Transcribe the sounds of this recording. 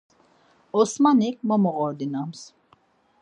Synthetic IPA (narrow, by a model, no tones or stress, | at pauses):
ɔsmanik̚mɔmɔɣɔɾd̪inams